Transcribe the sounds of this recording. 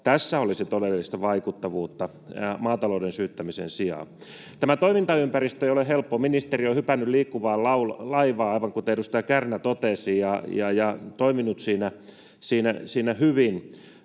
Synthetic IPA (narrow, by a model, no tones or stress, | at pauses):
t̪æsːæolisit̪odelːist̪ɑʋɑikut̪ːɑʋuːt̪ːɑ | mɑːt̪ɑloudensyːt̪ːæmisḛnsiɑ̰ː | t̪æmæt̪oimint̪ɑympærist̪øeijolehelpːominist̪eriohypænːylliːkːuʋɑːllɑullɑiʋɑːɑiʋɑŋkut̪eeɾust̪ɑɑkærnæt̪ot̪esijɑjɑjɑt̪oiminut̪siːnæ | siːnæ̰siːnæhyʋin